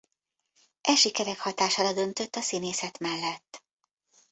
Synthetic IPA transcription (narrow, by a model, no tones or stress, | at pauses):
ʔɛʃikɛɾɛkhɒt̪aːʃaːɾɒd̪ø̞nt̪øt̪ːɒsineːsɛt̪mɛlːɛt̪ː